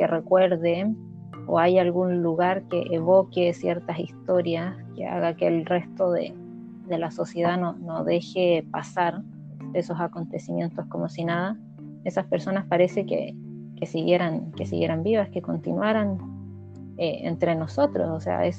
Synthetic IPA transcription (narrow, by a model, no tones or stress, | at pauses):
kere̞kwe̞ɾðe | o̰ajalɣunluɣaɾkeʔeβo̞kesjeɾt̪asist̪o̞ɾjaskḛa̰ɣakelre̞st̪o̞ðḛ | ðe̞laso̞sje̞ðanonoðe̞xepasaɾ | d̪eso̞sako̞nt̪e̞simje̞nt̪o̞sko̞mo̞sinaða | esaspeɾso̞naspaɾe̞sekḛ | kesiɣje̞ɾankesḭɣje̞ɾambiβaskeko̞nt̪inwaɾan | eḛnt̪ɾe̞no̞so̞t̪ɾo̞̰sosḛa̰es